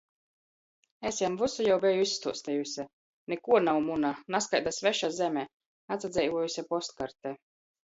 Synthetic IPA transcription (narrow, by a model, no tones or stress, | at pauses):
esʲjɛmvusujawbʲɛjuisːt̪uɔst̪ɛjusʲɛ | nekuɔnawmunanaskajd̪asvɛʃazʲɛmʲɛ | at̪sad̪zʲɛjvuɔjusʲɛpɔst̪kaɾt̪ɛ